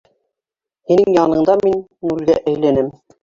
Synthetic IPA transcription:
hinɘŋjɑnɤ̆ɴd̪ɑminnulɡæ̰ʔæjlænɘm

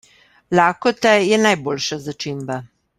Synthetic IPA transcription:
laːkɔt̪ɛjɛnajboːlʃazat͡ʃiːmba

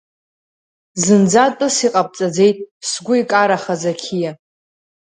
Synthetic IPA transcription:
zɨnd͡zatʼɨsiqʼap̚ʼt͡sʼad͡ze̞jtʼsɡʷʊikʼaɾaχazakʲʰija

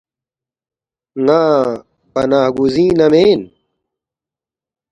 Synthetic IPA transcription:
ŋaː | pɐnaːɦɡuzĩːnɐmeːn

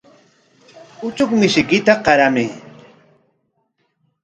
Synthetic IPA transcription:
ʊt͡ʃʊkmɪʃɪkɪt̪aqɑɾamɪː

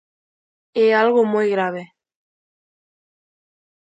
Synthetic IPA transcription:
ealɣomojɣɾaβe

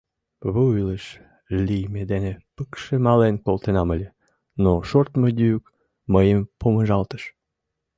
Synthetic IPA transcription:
βəujləʃ | lʲijmed̪enepəkʃemɑlenkolt̪enɑməlʲe | noʃort̪məd̪ʲyyk | məjəmpoməʒɑlt̪ə̥ʃ

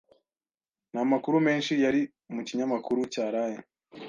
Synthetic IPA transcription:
namakuɾume̞ːnʃijaɾi | umuciɲamakuɾucaːɾaje

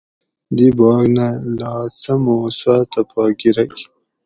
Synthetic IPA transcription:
d̪ibɑːɡnalaːsɐmoswaːt̪apɑːɡiɾɐki̥

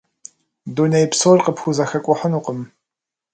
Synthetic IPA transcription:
dunejpsorqəpxʷuzɐxɐkʷʼɔħənuːqəm

